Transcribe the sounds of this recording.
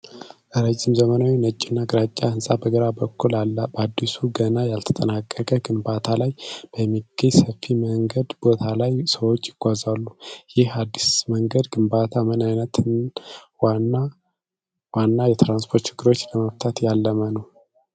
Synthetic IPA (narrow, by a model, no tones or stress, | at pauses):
ləɾəd͡ʒːɪmzəmənawinət͡ʃʼːɪnːaɡɾat͡ʃʼːahɨnsʼabəɡəɾabəkʰːulalːbəad̪ːisuɡənajalt̪ʰə̥t̪ʼənakʼːəkʼəɡɨmbat̪ʰalajb̥əjɛmːiɡ̥əɲsəfːiməŋɡəd̪bo̞t̪ʰalajsəwot͡ʃʼːjɪɡ̥ʷazalːujɪhad̪ːisməŋɡəd̪ɡɨmbat̪ʰamɨnajnət̪ʰɨn | wanːa | wanːajɛt̪ɾanspʰo̞ɾt̪t͡ʃɪɡːɨɾo̞t͡ʃːləməft̪ʰat̪jalːəmənəw